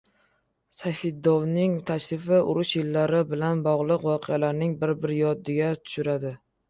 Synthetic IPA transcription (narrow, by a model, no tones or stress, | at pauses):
sajfɪd̪ːɒwnɪŋt̪ʰaʃɾɪfɪʔʊɾʊʃjɪlːaɾɪbɪlanbɒʁlˠɨqwɒqʰɪjalaɾnɪŋbɪɾbɪɾjɒd̪ːɪɡʲat̪ʰʊ̥ʃʊɾad̪ɪ